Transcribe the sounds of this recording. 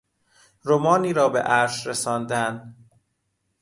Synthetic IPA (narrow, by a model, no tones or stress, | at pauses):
ɾomɒːniːɾɒːbḛʔæɾʃɾesɒːnd̪æn